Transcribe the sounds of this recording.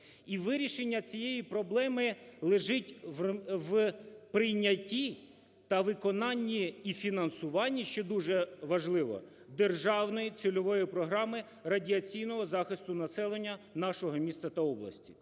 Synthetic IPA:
iʋɪɾʲiʃenʲːɐt͡sʲijejipɾɔblˠɛmɪlˠeʒɪtʲʋʋpɾɪjnʲɐtʲi | t̪ɐʋɪkɔnɑnʲːiːfʲinɐnsʊʋɑnʲːiʃt͡ʃɛd̪uʒɛʋɐʒlˠɪʋɔ̰ | d̪erʒɑwnɔjit͡sʲilʲɔʋɔjipɾɔɦɾɑmɪ | rɐdʲiɐt͡sʲijn̪ɔɦɔzɑxɪst̪ʊnɐsɛlˠenʲːɐnɑʃɔɦɔmʲist̪ɐt̪ɐɔblˠɐ̰sʲtʲi̥

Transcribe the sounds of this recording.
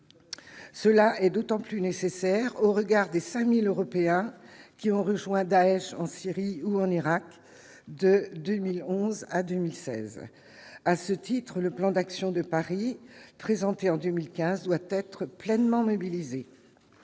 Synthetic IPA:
səlaɛd̪ot̪ɑ̃plynesesɛʁoʁəɡaʁd̪esɛ̃miløʁɔpeɛ̃kʲiɔ̃ʁəʒwɛ̃d̪aɛʃɑ̃siʁiuɑ̃niʁak | d̪əd̪ømilɔ̃zad̪ømilsɛ̰z | asət̪it̪χələplɑ̃d̪aksjɔ̃d̪əpaʁipχezɑ̃t̪eɑ̃d̪ømilkʲɛ̃zd̪wat̪ɛt̪χəplɛnmɑ̃mɔbilize

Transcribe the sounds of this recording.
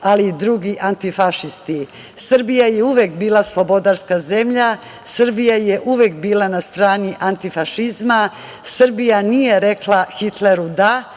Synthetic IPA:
aliːd̪ɾuːɡiʔant̪ifaʃist̪i | srbijajeuʋekbiːlˠaslˠo̞bo̞d̪aɾskazemʎa | sr̩bijajeʔuʋe̞kbiːlˠanast̪ɾaːniʔant̪ifaʃizma | sr̩bijanije̞ɾe̞klˠaxit̪leɾud̪a

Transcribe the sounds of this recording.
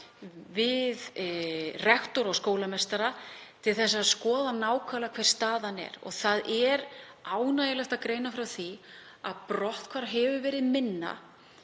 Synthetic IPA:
vɪð | rɛxt̪ɔɾɔɣskoːwlamɛst̪aɾat̪ʰɪlθɛs̬ːaðskɔːðanaːwkʰvalakʰv̥ɛr̥st̪aːðanːɛ̰ɾɔ̰ɣθaðɛɾ | aːwnaːjɪlɛxt̪akɾeːjnafɾawθi | aðpɾɔht̪kʰv̥aɾɦɛvʏvɛːɾɪðmɪnːa̰

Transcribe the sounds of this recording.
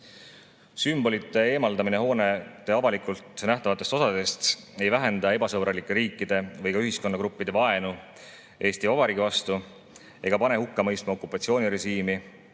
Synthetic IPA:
symb̥o̞lit̪ːˑe̞e̞ːmɑld̪ɑmineɦo̞ːnet̪ːˑe̞ɑvɑlikˑult̪næht̪ɑvɑt̪ːˑest̪osɑd̪̥e̞st̪ | e̞jvæɦe̞nd̪̥ɑe̞bɑsɤbɾɑlikːˑe̞ɾiːkːˑid̪̥e̞vɤ̞jkɑyɦisko̞nːɑkɾupːid̪̥e̞vɑe̞nu | ʔe̞ːst̪iovɑɾiɡivɑst̪u | e̞ɡ̥ɑpɑne̞hukːɑmɤ̞jst̪mɑokːˑupːˑɑt̪sio̞ːnʲiɾe̞ʒiːmi

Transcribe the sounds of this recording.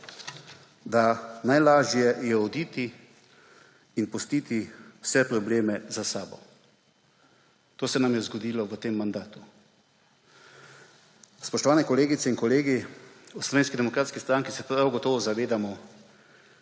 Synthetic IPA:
d̪anajlaːʒjɛjɛɔd̪iːt̪i | inpɔst̪iːt̪iwsɛpɾɔbleːmɛzasaːbɔ̰ | t̪oːsɛnamjɛzɡɔd̪iːlɔʋət̪eːmːand̪aːt̪u | spɔʃt̪ɔʋaːnɛkɔleːɡit̪ɛinkɔleːɡiɔslɔʋeːnskid̪ɛmɔkɾaːt̪skist̪ɾaŋkisɛpɾawɡɔt̪ɔːʋɔzaʋeːd̪amɔ

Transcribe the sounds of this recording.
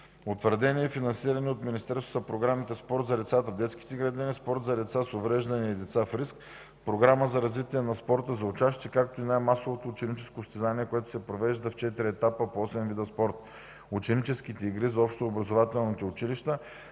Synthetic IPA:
ot̪vəɾd̪ɛniɛfinɐnsiɾɐnɛot̪minist̪ɛɾso̥zɐpɾoɡɾamit̪ɛspɔɾt̪zɐd̪ɛt̪sat̪əvd̪ɛt̪ski̥t̪ɛɡɾɐd̪inispɔɾt̪zɐd̪ɛt̪sasovɾɛʒd̪ɐnɛid̪ɛt̪safɾisk | pɾoɡɾaməzɐɾɐzvit̪iɛnɐspɔɾt̪əzɐʊt͡ʃast̪iɛkakt̪oinajmasovot̪oːt͡ʃɛnit͡ʃɛskost̪ɛzaniɛkoɛt̪ʊ̥sɛpɾovɛʒd̪ɐft͡ʃɛt̪iɾiɛt̪apəpoɔsɛmvid̪ɐspɔɾt̪̚ | ʊt͡ʃɛnit͡ʃɛskit̪ɛiɡɾizɐɔpʃt̪oːbɾɐzovat̪ɛlˠnit̪ɛʊt͡ʃiliʃt̪ə

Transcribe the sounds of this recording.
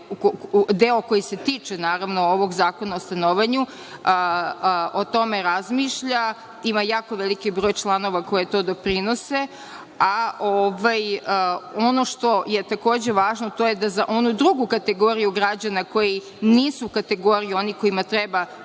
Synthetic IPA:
kod̪eokojise̞t̪it͡ʂenaːɾaʋnooʋo̞ɡzaːko̞naost̪anoʋaɲu | ot̪o̞me̞ɾazmiʃʎa | imajaːkoʋelikibɾoːjt͡ʃlˠano̞ʋako̞je̞t̪o̞ːd̪o̞pɾino̞se̞ | aoʋajəo̞no̞ʂt̪o̞je̞t̪ako̞ːd͡ʑe̞ʋaːʒnot̪o̞jed̪azaʔo̞nud̪ɾuɡukat̪e̞ɡo̞ːɾijuɡɾad͡ʑanako̞ji | niːsukat̪e̞ɡo̞ɾijuo̞niko̞imat̪ɾeba

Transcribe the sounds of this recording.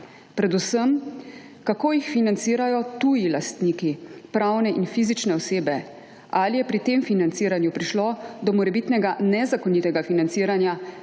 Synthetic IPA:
pɾɛd̪usəm | kakoːjixfinant̪siːɾajɔt̪ujilast̪nikipɾawnɛʔinfiːzit͡ʃnɛɔseːbɛ | alijɛpɾit̪eːmfinant̪siːɾanjupɾiʃlod̪ɔmɔɾɛbit̪nɛɡanɛzakɔniːt̪ɛɡafinansiːɾanja

